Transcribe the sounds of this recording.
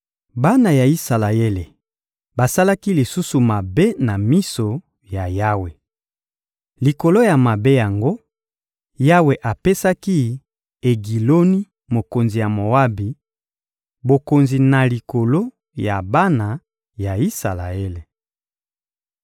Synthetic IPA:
ba˦na˨ja˨i˦sa˨la˨e˦le˨ | ba˨sa˦la˦ki˦li˨su˦su˨ma˨be˦na˨mi˦so˨ | ja˨ja˦we˨ | li˨ko˨lo˦ja˨ma˨be˦ja˨ŋɡo˦ | ja˦we˨ʔa˨pe˦sa˦ki˦ | e˨ɡi˨lo˦ni˦ | mo˨ko˨nzi˨ja˨mo˨wa˦bi˨ | bo˨ko˨nzi˨na˨li˨ko˨lo˦ | ja˨ba˦na˨ | ja˨i˦sa˨la̰˨e˦le˨

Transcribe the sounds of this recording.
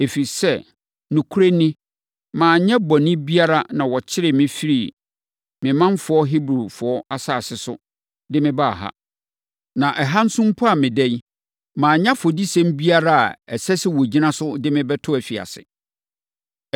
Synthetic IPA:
e˨fi˨sɛ˦˨ | nũ˨kʰu˦ɾe˦nĩ˦ | mãː˨ɲɛ̃˦bɔ̃˨nɪ̃˦bi˦a˦ɾa˦nã˨wɔ˨t͡ɕʰɪ˦ɾɪ˨mɪ̃˦fi˦ɾi˦˨ | mɪ̃˨mã˦n˦fʊ˨ɔ˦ɦi˦bɾu˨fʊ˨ɔ˦a˦saː˦˨sɪ˨sʊ̰˦ | dɪ˦mɪ̃˦ba˦˨ɦa̰˦ | nã˨ʔɛ˨ɦa˦n̩˦sʊ̃˦m̩˦pʰʊ˦a˨mɪ̃˨dɛ˦ɲ˦ | mãː˨ɲã˦fo˨di˦sɛ̃˦m˦bi˦a˦ɾa˦a˨ɛ˨sɛ˦sɪ˦wo˨d͡ʑi˦nã˦sʊ˦dɪ˦mɪ̃˦bɛ˦tʰʊ˦æ˨fi˨a̰˨sɪ̰˨

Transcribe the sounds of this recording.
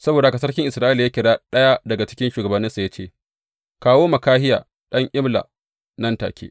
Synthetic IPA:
sɐ˦boː˨da˨˦ka˨s̬ɐ˦rkʲɪ˦ŋʔɪ˨sɾaː˦ʔɪ˦ljaː˦kʲɪ˨ɽaː˦ɗɐ˦ja˦dɐ˨ɡa˨t͡ʃɪ̥˦kʲɪ˦nʃuː˨ɡɐ˨bɐ˨nːɪ˦sa˨ja˦t͡ʃeː˦˨ | kaː˦woː˦mɐ˨kaː˦hɪ˦ja̰ː˨ | ɗɐ˦ŋʔɪ˦mla̰˨ | nɐ˦nta̰ː˨kʲʰḛː˦ʔ

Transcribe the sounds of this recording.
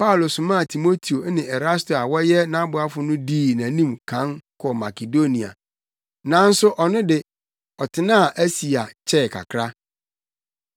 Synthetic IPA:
pa˦ʊ˨lo˨sʊ̃˨mã˦˨tʰi˨mo˦tʰi˨o˨˦nɪ̃˨ɛ˨ɾa˦sto˨a˨wɔ˦jɛ˦nã˦bʊ˨˦a˦fʊ˦nʊ̃˦diː˦˨næ̃˨nĩ˦mkʰã˨˦nkʰɔ˨ma˨ke˨do˦nĩ˨a̰˨ | nã˨˦n̩˦sʊ˦ʔɔ˨nɪ̃˦dɪ˨ | ɔ˨tʰɪ˦nãː˦˨ʔæ˦si˨a˨t͡ɕʰɛ˦˨kʰa̰˨kʰɾa˦

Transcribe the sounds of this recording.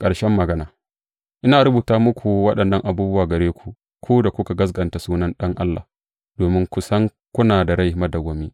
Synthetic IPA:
kʼɐ˨ɽʃɛ˦mːɐ˨ɡɐ˦naː˨ | ʔɪ˦naː˨ɾʊ˦buː˨taː˦mʊ˦kʷʰu˨wɐ˦ɗɐ˨nːɐ˦˨ŋʔa˨buː˦bʊ˦waː˨ɡɐ˨ɾeː˦kʷʰu˨ | kʷʰuː˦da˨kʷʊ˦ka˨ɡɐ˦s̬ɡɐ˨nta˨suː˦nɐ˦nɗɐ˦ŋʔa˦lːa̰ː˨ | d̥oː˨mɪ˦ŋkʷʊ˨sɐ˦ŋ | kʷʊ˦naː˨da˨ɾa˦jmɐ˦dɐ˨ɡʷo˨miː˦

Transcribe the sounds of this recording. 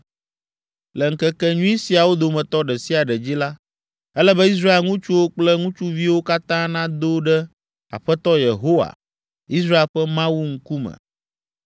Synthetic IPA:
lɛ˨ŋ̩˨kɛ˦kɛ˦ɲũ˦i˦si˨a˨wo˦d̪o˨mɛ̃˨t̪ɔ˦ɖɛ˨si˦a˨ɖɛ˨d͡ʑi˦la˦ | ɛ˦lɛ˦bɛ˦i˦s̬ɾa˦e˨lŋũ˦t͡ʃu˦wo˦k͡plɛ˦ŋũ˦t͡ʃu˦vi˦wo˦ka˦t̪ã˦nã˦d̪o˦ɖɛ˦ | a̰˨ɸɛ˦t̪ɔ˦je˨ɦo˦wa̰˨ | i˦s̬ɾa˦e˨lɸɛ˦mã˦wu˦ŋ̩˦ku˦mɛ̰̃˨

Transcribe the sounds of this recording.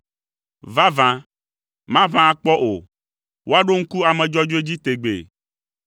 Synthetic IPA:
va˦vã˨ | mã˦vã˦˨k͡pɔ˦ʔo˨ | wʔo˦a˦ɖo˦ŋ̩˦ku˦a˨mɛ̃˨d͡ʒɔ˦d͡ʒo˦e˦d͡ʑi˦t̪e˨ɡ͡bḛ˨

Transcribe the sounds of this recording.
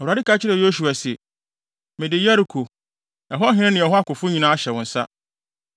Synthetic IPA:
ɛ˨wa˨dɪ˦ka˦t͡ɕʰɪ˦ɾɛ˨jo˦s̬u˨a˨sɛ˨ | mɪ̃˨dɪ˨ja˦ɾi˨kʰo˨ | ɛ˨ɦʊ˦a˦ɦɪ̃˦nɪ̃˦nɪ̃˨ɛ˨ɦʊ˦a˦kʊ˨fʊ˦ɲĩ˨nãː˦ɕɛ˨wʊ̃˨n̩˨sa̰˦

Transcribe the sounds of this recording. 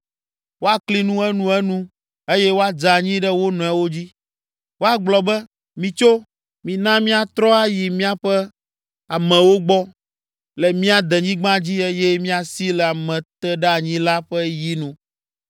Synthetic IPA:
wo˦a˨kli˦nũ˦ɛ˦nũ˦ɛ˦nũ˦ | e˦jɛ˦wo˦a˦˨d͡ʒa˨ɲĩ˦ɖɛ˦wo˦nɔ̃˨ɛ˨wo˦d͡ʑi˦ | wo˦a˨ɡ͡blɔ˨bɛ˦ | mĩ˨t͡ʃo˦ | mĩ˨nã˦mĩ˦a˨t̪ɾɔ˦a˦ji˨mĩ˦a˦ɸɛ˦ | a˨mɛ̃˨wo˦ɡ͡bɔ˦ | lɛ˨mĩ˦a˨d̪ɛ˨ɲĩ˦ɡ͡bã˦d͡ʑi˦e˦jɛ˦mĩ˦a˨si˦lɛ˨a˨mɛ̃˨t̪ɛ˦ɖɛ˦a˨ɲĩ˦la˦ɸɛ˦ji˦nũ˦

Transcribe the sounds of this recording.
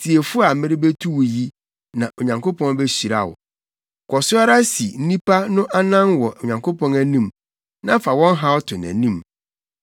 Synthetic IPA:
sʰi˨e˨fʊ˦a˨mɪ̃˦ɾɪ˦be˦tʰu˦wji˦ | nã˨ʔo˨ɲã˨ŋkʰo˦pʰɔ̃˦nbe˦ɕi˨ɾa̰˨wʊ̰˨ | kʰɔ˨sʊ˦a˦ɾa˦si˨n̩˦nĩ˦pʰa˦nʊ̃˦ʔa˦nã˦nwɔ˨ʔo˨ɲã˨ŋkʰo˦pɔ̃˦næ˦nĩ˦m | nã˦fa˨wɔ̃˦nɦa˦ɔ˦tʰʊ˨næ̰̃˨nĩ˦m

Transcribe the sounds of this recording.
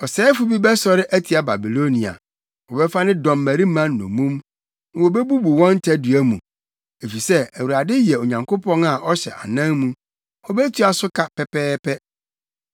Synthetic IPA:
ɔ˨sɛː˨˦fu˦bi˦bɛ˦sɔ˨ɾɪ˦ʔæ˦tʰi˨a˦ba˨bi˨lo˦nĩ˨a̰˨ | wɔ˨bɛ˦fa˦nɪ̃˦dɔ̃˨mːæ˨ɾi˦mã˦nː˦ɔ̰̃˨mũ˦m˨ | wɔ˨bɛ˦bu˦bu˨wɔ̃˦n˦tʰɛ˦du˨æ˦mũ˨ | e˨fi˨sɛ˦æ˨wu˨a˨dɪ˦jɛ˨o˨ɲã˨ŋkʰo˦pʰɔ̃˦na˨ʔɔ˦ɕɛ˨ʔa̰˨nã˦ŋmũ˦ | wɔ˦bɛ˦tʰu˦a˨sʊ˦kʰa˨pʰɛ˦pɛː˦pʰɛ˦

